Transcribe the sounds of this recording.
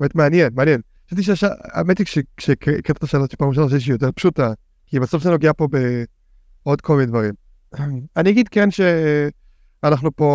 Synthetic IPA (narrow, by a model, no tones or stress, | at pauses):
metmeanjenmeanjen | ʃft̪̬iʃeaʃaa̰emet̪iʃekʃekkt̪e̥t̪aʃalot̪ʃi̥pamuʃ̬aʃ̬eʃ̬ijot̬eʁpʃuta | kibasofʃainoɡeapo̞be | o̞d̪komined̪vaʁim | aniaɡid̪kenʃe | anaχnupo̞